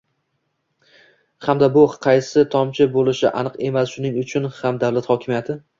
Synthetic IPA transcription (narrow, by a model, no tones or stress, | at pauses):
hamd̪abʊqʰɑjsɪt̪ʰɒmt͡ʃʰɪbolˠɪʃɪʔa̰nɨqe̞masʃʊnɪŋʊt͡ʃʰʊnhamd̪awlˠat̪hɒkʲʰɪmjat̪ʰɪ